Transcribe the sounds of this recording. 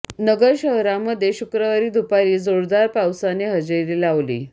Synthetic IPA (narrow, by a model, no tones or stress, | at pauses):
nəɡəɾɕəɦɾaməd̪ʱːjeɕukɾəʋaɾiːd̪ʱupaɾiːd͡zoɾd̪aɾpawsaneɦəd͡ʑeɾiːlaʋlḭː